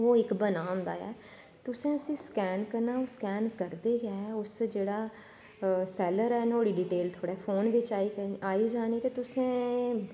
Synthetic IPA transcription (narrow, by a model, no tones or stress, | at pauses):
oːɪkbənaːʊ̃nd̪a̰ːɛ̰ː | t̪ʊsẽːʊsĩːskɛːnkəɾnaːoːskɛːnkəɾd̪eːɡaːʊsd͡ʒeːɽaː | sɛːləɾɛːnoːɽiːɖiːʈeːlt̪ʰoːɽɛːpʰoːnʋɪt͡ʃaːiːkaːiːd͡ʒaːniːt̪eːt̪ʊsẽː